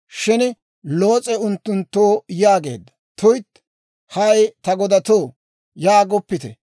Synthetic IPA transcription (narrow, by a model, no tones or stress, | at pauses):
ʃɪn | lo̞ːt͡sʼɛʊnt̪ːʊnt̪ːoːjaːɡe̞̰ːd̪ːɐ̥ | t̪ʊjt̪ː | hɐjt̪ɐɡɔd̪ɐt̪oː | jaːɡɔpːɪt̪ɛ̰